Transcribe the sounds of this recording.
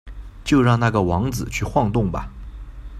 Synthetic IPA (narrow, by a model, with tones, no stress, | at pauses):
t͡ɕjo˥˧ʊɻɑ˥˧ŋna˥˩ɡə˩wɑ˧˥ŋd͡zɹ̩˨˩t͡ɕʰy˥˧xwɑ˥˧ŋt̪ʊ˥˩ŋbɐ̰˨˩